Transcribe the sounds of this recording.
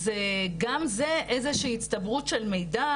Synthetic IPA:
zeɡamze̞ʔe̞zeʃiːit̪st̪ɐbʁutʃelme̞jda

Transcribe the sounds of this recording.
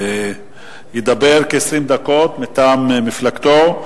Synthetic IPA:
jed̪abeʁkeesʁimd̪ako̞t̪met̪aːmmiflaɡt̪o

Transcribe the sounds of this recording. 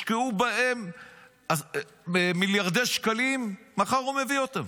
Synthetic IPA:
keubaem | a | miljaʁd̪eʃkalimːaχaʁume̞viot̪am

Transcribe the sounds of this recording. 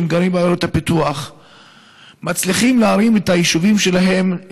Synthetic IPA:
mɡaɾimbajoɾet̪apituaχ | mat͡sliχimleaɾimethajiʃuvimʃe̞laɦe̞m

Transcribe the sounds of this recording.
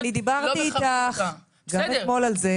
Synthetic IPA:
nid̪ibaʁt̪iːt̪aχ | ɡamet̪mo̞lalze

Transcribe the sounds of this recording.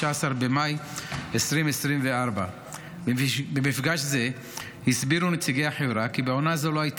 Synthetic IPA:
aasaɾbemajesʁimesʁimveʔaʁba | bemifɡaʃze̞ | hisbiɾunet͡siɡejhaħevɾakibeo̞nazoloait

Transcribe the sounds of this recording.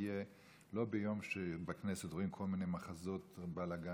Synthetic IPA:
je | lo̞bejo̞mʃebekneset̪ʁoimkʰo̞lmine̞jmaχazo̞t̪balaɡa

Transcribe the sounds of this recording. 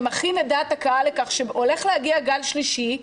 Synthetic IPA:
maχinedatakaalekaχʃeole̞χlehaɡiaɡalʃliʃi

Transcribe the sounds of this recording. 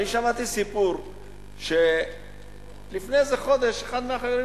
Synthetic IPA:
niʃamat̪isipuɾ | ʃe | lifnezeχo̞d̪e̞ʃeχad̪meaχejoɾi

